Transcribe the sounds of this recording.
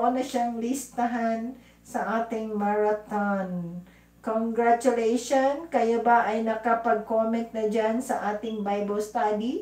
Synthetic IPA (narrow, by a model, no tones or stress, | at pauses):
ʔonɐʃaŋlɪst̪ɐɦan | sɐʔaːt̪ɪŋmaɹɐt̪on | koŋɡɹat͡ʃʊlɛjʃonkɐjabɐʔɐjnɐkɐpɐɡ̚komɛnt̪̚nɐd͡ʒansɐʔaːt̪ɪŋbajbɐlst̪aːd̪i